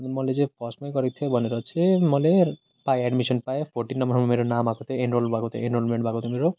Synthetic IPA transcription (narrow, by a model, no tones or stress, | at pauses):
mɔled͡zepʰɔsmɔjkɔɾit̪ʰebʱʌneɾʌt͡ʃʰemʌle | paeɛɖmisɔnpaepʰoɾʈinːɔmbɔɾmameɾonamakut̪eenɾolbʱakut̪ḛenɾolmeɳʈbʱakut̪ʰemeɾo